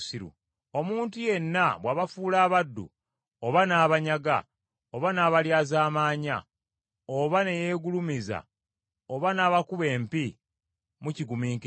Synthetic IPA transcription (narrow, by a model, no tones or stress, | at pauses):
siɾṵ | o̞muːntuje̞nːaβwaːβafuːlaːβadːṵ | oβanaːβaɲaɡa̰ | oβanaːβaljaːzaːmaːɲa̰ | oβane̞jeːɡulumiza̰ | oβanaːβakuβe̞ːmpi | muciɡumiːŋk